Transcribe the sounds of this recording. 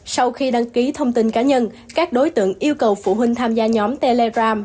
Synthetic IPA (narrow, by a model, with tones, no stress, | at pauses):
sa˧wxi˧ɗa˧ŋki˨˦t̪ʰə˧wŋ͡mt̪i˧nkaː˨˦ɲə˧n | kaː˦˥k̚ɗo˨˦jt̪ɨ̰˧˨əŋʔi˧əwkə˨˩wfṵ˧˩ɦï˧ŋ̟t̪ʰaː˧mzaː˧ɲɔ˨˦mt̪e˧le˧zaː˧m